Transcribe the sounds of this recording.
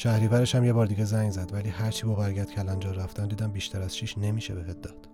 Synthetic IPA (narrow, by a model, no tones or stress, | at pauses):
ʃæhɾiːvæɾeʃhæmje̞bɒːɾd̪iːɡezæŋɡzæd̪væliːhæɾt͡ʃʰiːbɒːbæɾɡɟæt̪cʰælænd͡ʒɒːræft̪ænd̪iːd̪æmbiːʃt̪æɾæz̥ʃʰiːʃne̞miːʃebehet̪̚d̪ɒːd̪̥